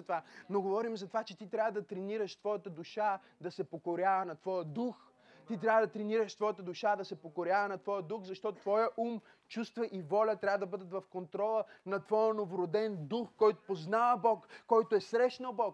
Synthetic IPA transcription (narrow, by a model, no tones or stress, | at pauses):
t̪ovanoɡovɔɾimzɐt̪ovat͡ʃɛt̪it̪ɾʲavəd̪ɐt̪ɾɛniɾəʃt̪vɔjət̪əd̪uʃa | d̪ɐsɛpokoɾʲjavɐnɐt̪vɔjəd̪ux | t̪it̪ɾʲavəd̪ɐt̪ɾɛniɾəʃt̪vɔjət̪əd̪ʊʃad̪ɐsɛpokoɾʲavɐnɐt̪vɔjəd̪uxzɐʃt̪ɔt̪t̪vɔjəʔum | t͡ʃust̪vɐʔivɔlʲət̪ɾʲavəd̪ɐbɤd̪ət̪vɐfkont̪ɾɔlˠənɐt̪vɔjənovoɾod̪ɛnd̪uxkɔjt̪o̥poznavɐbɔkːɔjt̪oɛsɾɛʃnəlˠbɔk